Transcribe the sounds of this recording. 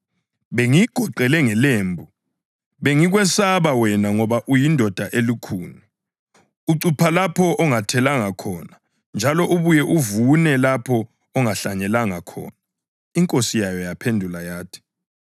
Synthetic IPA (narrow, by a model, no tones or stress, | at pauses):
βeŋiɡ̥ʱɔǃɛlɛŋɛleːmbʱu | βeŋiɣ̬wɛsaβawɛnaŋɔβaʔujindʱɔd̥ʱaʔelikʰuːnɛ | uǀupʰalapʰɔʔɔŋatʰɛlaŋakʰɔːna | nd͡ʒʱalɔʔuβujɛʔuvunɛlapʰɔː | ŋaɬaɲɛlaŋakʰɔ̰ːna | iŋkʼosijajɔjapʰendʱulajaːtʰi̥